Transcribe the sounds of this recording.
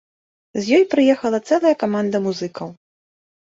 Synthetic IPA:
zʲjɔjpɾɨjɛxɐlˠɐt̪sɛlˠɐjɐkamand̪ɐmuzɨkɐw

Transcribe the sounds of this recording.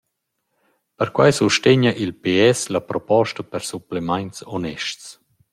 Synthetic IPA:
pəɾkwajsuʃteɲaʔilpeɛslapɾɔpɔʃtapəɾsuplemajnsɔnɛʃts

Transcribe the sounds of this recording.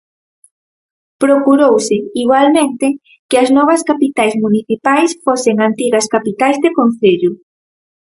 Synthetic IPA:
pɾokuɾowsɪiɣwalmẽnt̪ɪ | kɪɐznɔβ̞ɐskapit̪ajzmuniθipajsfosɪŋant̪iɣɐskapit̪ajzðekon̟θeʎʊ

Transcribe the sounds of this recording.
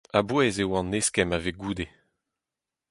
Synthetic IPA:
abwɛzewɑ̃neskɛmaveɡuːd̪e

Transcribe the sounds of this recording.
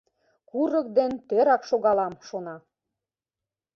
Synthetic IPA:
kuɾɤ̆kd̪ent̪eɾɑkʃoɣɑlɑmʃonɑ

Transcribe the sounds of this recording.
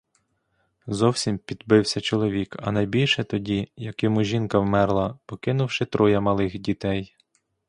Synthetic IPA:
zɔwsʲimpʲid̪bɪwsʲɐt͡ʃɔlˠɔʋʲikɐ̰nɐjbʲilʲʃɛt̪ɔdʲijɐkɪmʊʒʲinkɐwmɛrlˠɐpɔkɪnʊwʃɪt̪ɾʔɔjɐmɐlˠɪxdʲit̪ɛj

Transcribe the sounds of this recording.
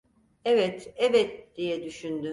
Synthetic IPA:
ɛvɛt̪ɛvɛt̪̚d̪̥ijɛd̪yʃynd̪y

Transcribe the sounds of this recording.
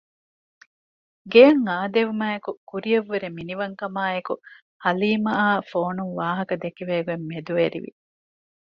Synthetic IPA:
ɡejɐŋaːd̪eʋumæːekukuɾijɐʋːeɾeminiʋɐŋkɐmaːeku | hɐliːmɐaːfoːnuŋʋaːɦɐkɐd̪ekiʋeːɡuemːed̪uʋeɾḭʋḭ

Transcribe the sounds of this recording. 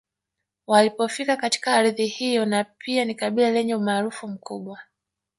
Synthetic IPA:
walipɔfikakati̥kaːɾðihijɔnapianikaɓilalɛɲɛumaːɾufum̩kuɓwa

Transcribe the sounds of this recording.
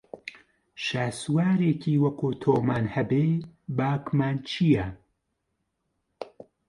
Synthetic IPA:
ʃaːswaːɾeːcʰiːwɐkʰuːt̪ʰoːmaːnhɛbeːbaːkmaːnt͡ʃʰijɛ

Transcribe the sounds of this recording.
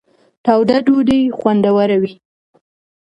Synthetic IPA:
t̪awd̪adoɖ̪ijxwand̪awaɾawi

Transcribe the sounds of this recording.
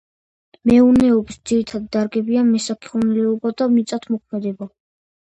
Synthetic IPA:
mɛunɛɔbisd̪ziɾit̪ʰad̪ːaɾɡɛbianmɛsakʰi̥ʁɔnɛlɛɔbad̪amit̪sʼat̪ʰmɔkʰmɛd̪ɛba

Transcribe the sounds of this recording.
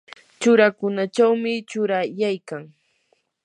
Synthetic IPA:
t͡ʃʊɾakʊnat͡ʃawmɪt͡ʃʊɾajajkaŋ

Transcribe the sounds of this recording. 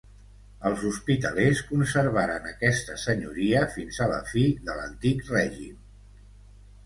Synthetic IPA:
əlˠzuspit̪əleskunsəɾβaɾənəkɛst̪əsəɲuɾiəfinzələ̰fiðələ̰nt̪ikrɛʒim

